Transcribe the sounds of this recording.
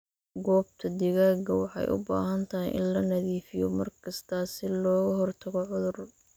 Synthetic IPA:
ɡɔːb̚t̪ʰɐd̪ɪɣaːɡɐwɑħɑ̰jʔʊ̰ba̰ːɦɐnt̪ʰɐɦɪjʔɪ̰nlɐnɐðiːfɪjɔ̰mɐrkʰɐst̪ʰɐsɪlɔːɣɐɦɔrt̪ʰɐɣɔʕʊðʊr

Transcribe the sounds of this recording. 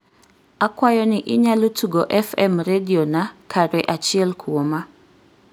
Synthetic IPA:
akwajɔnɪʔɪɲalotʰuɡoʔɛfɛmɾedionakʰaɾɛʔat͡ʃiɛlkʰuoma

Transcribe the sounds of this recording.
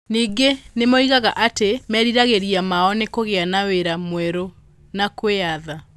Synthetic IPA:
niːɡenemɔiɣaɣaʔatemɛɾiɾaɣeɾiamaɔnekoɣeanaweɾamwɛɾo | nakweaða

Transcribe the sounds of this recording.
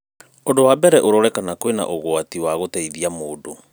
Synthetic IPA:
ondowabɛɾɛʔoɾɔɾɛkanakowena̰ʔoɣwatiwaɣotɛiðiamoːdo

